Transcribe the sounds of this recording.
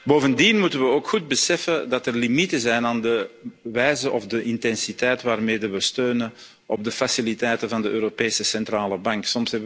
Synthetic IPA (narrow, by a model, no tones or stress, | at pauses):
boːvəndinmutənʋəoːkxud̚bəsɛfəndɑtərlimitəzɛjnaːndəʋɛjzəʔɔvdəʔɪntɛnsitɛjtʋaːrmeːdəʋəstøːnən | ʔɔb̚dəfasilitɛjtənvɑndəʔøːɾopeːsəsɛntraːləbɑŋksɔmsɦɛbə